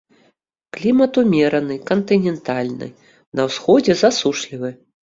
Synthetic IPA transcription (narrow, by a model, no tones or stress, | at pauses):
klʲimɐt̪umʲɛɾɐnɨkɐnt̪ɨnʲɛnt̪alʲnɨ̰ | nɐwsxɔd͡zʲɛzasuʂlʲivɨ